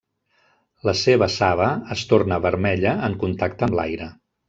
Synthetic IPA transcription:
ləseβəsaβ̞əəst̪ornəβəɾmɛʎəəŋkunt̪ak̚t̪əmla̰jɾə

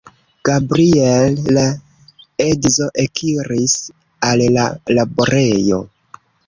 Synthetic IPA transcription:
ɡ̥abɾielːa | edzo̞ʔekʰiɾis | allalaboɾe̞jo̞̰

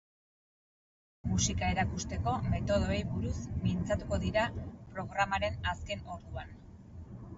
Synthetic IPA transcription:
musikae̞ɾakust̪e̞ko̞me̞t̪o̞ð̞o̞ejβuɾusmint͡sat̪uko̞ðiɾapɾo̞ɣɾamaɾe̞naske̞no̞ɾðuan

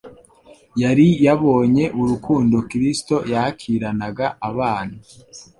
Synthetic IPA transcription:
jaɾijaβo̞ːɲe̞ʔuɾukʰuːndo̞kiɾisto̞jahakʰiɾanaɡaaβaːn̤̥a

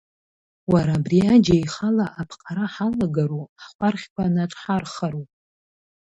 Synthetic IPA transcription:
waɾaːbriad͡ʒajχalaʔapʰqʼaɾaħalaɡaɾuaχʷarχʲkʷʰanaʈ͡ʂʼħarχaɾupʼ

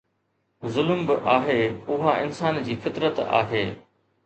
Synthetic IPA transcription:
zʊlmbɪʔaːɦeːʊɦaʔɪnsaːnd͡ʑiːfɪt̪ɾət̪a̰ːɦeː

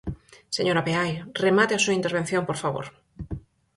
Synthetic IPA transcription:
seɲoɾapeajremat̪easuint̪eɾβ̞e̞n̟θjo̞mpoɾfaβo̰ɾ

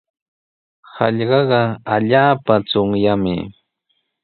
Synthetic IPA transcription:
hɑ̰ʎɢɑɢɑaʎaːpat͡soŋjamɪ̰

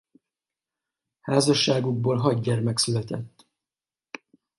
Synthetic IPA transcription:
haːzɒʃːaːɡuɡ̚boːlɦɒɟɟɛrmɛksylɛt̪ɛt̪ː

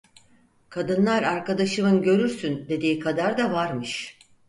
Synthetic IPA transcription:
kʰad̪ɯnlˠaɾaɾkad̪aʃɯmɯnɟø̞ɾyɾsynd̪e̞d̪iːkʰad̪aɾd̪avaɾmɯʃ

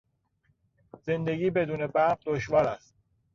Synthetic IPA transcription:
z̥end̪e̞ɡiːbed̪uːnebæʁd̪oʃvɒːɾæst̪

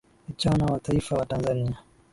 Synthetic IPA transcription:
it͡ʃanawataifawatanzania

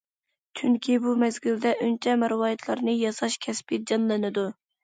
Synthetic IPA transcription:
t͡ʃʰyŋkʲʰibumɛzɡʲild̪ɛʔynt͡ʃʰɛmɪɾwɑːjɪt̪ʰlˠɑɾnɨjɑsɑʃkʲʰɛspɪd͡ʒɑnlˠɨnɨd̪u

